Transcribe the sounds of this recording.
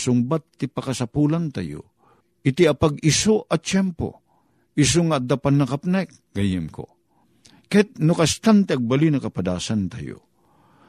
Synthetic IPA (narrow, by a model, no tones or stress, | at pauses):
sʊŋbat̪ːipakasapulant̪ajo̰ | ɪt̪iapaɡɪsoʔat͡ʃɛmpo̰ | ɪs̬oŋad̪apanːɐkapnajk̚ | ɡajɪmko̰ | kajat̪̚nʊkast̪ant̪eaɡ̚balinɐkapad̪a̰ːsant̪a̰jo̰